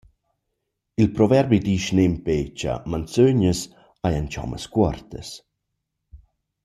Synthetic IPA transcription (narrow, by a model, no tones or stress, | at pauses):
ilpɾɔvɛɾbid̪iʃnempet͡ʃa̰mant͡søɲəs | ajant͡ʃɔ̰mə̰skwɔrt̪əs